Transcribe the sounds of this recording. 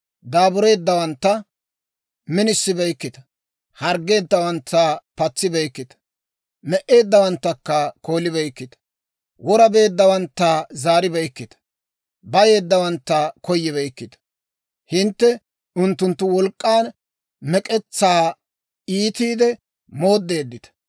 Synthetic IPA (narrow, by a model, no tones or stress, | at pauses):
d̪aːbʊɾe̞ːd̪ːɐwɐnt̪ːɐ | mɪnɪsːɪbɛjkːɪt̪ɐ̥ | hɐɾɡe̞ːd̪ːɐwɐnt̪ːapɐt͡sːɪbɛjkːɪt̪ɐ̥ | mɛʔe̞ːd̪ːɐwɐnt̪ːɐkːɐko̞ːlɪbɛjkːɪt̪ɐ̥ | wɔɾɐbe̞ːd̪ːɐwɐnt̪ːazaːɾɪbɛjkːɪt̪ɐ̥ | bɐje̞ːd̪ːɐwɐnt̪ːɐkɔjːɪβɛjkːɪt̪ɐ̥ | hɪnt̪ːɛ | ʊnt̪ːʊnt̪ːʊwɔlkʼːaːn | mɛkʼɛt͡sːaː | iːt̪iːd̪ɛ | moːd̪ːe̞ːd̪ːɪt̪ɐ̥